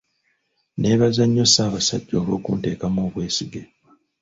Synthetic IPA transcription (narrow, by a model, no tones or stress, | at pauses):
ne̞βazaɲːo̞saːβasa̰ɟːo̞ːβo̞̰ːkunte̞ːkamoːβwe̞ːsiɡe